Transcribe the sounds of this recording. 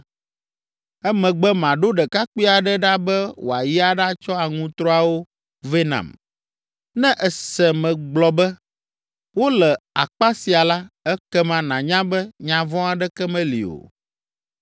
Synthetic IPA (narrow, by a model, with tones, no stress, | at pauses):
ɛ˦mɛ̃˨ɡ͡bɛ˦mã˨ɖo˦ɖɛ˨ka˦k͡pi˦a˨ɖɛ˦ɖa˦bɛ˦wo˨a˨ji˦a˦ɖa˦t͡ʃɔ˦a˨ŋũ˦t̪ɾɔ˦a˨wo˦ | ve˦nã̰˨m | nɛ̃˦ʔɛ˨sɛ˨mɛ̃˨ɡ͡blɔ˨bɛ˦ | wo˦lɛ˨a̰˨k͡pa˦si˨a˨la˦ɛ˦kɛ˦mã˨nã˨ɲã˦bɛ˦ɲã˨vɔ̃˦a˨ɖɛ˦kɛ˦mɛ̃˦lḭ˨o̰˨